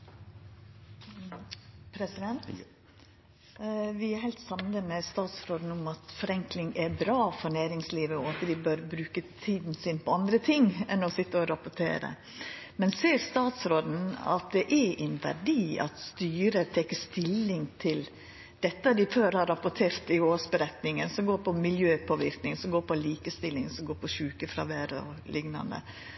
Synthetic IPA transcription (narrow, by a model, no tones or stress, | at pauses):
pʰɾɛsɪd̪ɛnt̪ | ʋɪæɾhɛɪlt̪sɑmnəmɛst̪ɑːt̪sɾoːd̪n̩ʊmɑt̪fɔɾɛŋklɪŋæɾbɾɑːfɔɳæːɾɪŋsliːʋəɔɑt̪d̪ɪbøɾbɾʉːkət̪ʰiːd̪n̩sɪnpʰɔɑnd̪ɾət̪ʰɪŋɛnɔsɪt̪ːəɔɾɑpʊʈʰḛːɾə̰ | mɛnseːɾst̪ɑːt̪sɾoːd̪n̩ɑ̰t̪̚d̪ɛʔɛɛnʋæ̰ɖiːɑ̰t̪st̪yːɾət̪ʰɛːkəst̪ɪlːɪŋt̪ʰɪl | d̪̥ɛt̪ːəd̪ɪføːɾhɑɾːɑpʊʈʰeːɾt̪ɪoːsbəɾɛt̪nɪŋənsɔɡoːɾpʰɔmɪljøːpʰoːʋɪɾknɪŋsɔɡoːɾpʰɔliːkəst̪ɪlːɪŋsɔɡoːɾpʰɔʃʉːkəfɾɑ̰ʋæːɾəɔ̰lɪŋnɑ̰nd̪ə̰